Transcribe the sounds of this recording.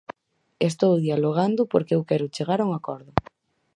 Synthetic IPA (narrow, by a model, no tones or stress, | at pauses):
est̪owðialoɣ̞and̪ʊpoɾkewkɛɾʊt͡ʃeɣaɾuŋakɔɾðʊ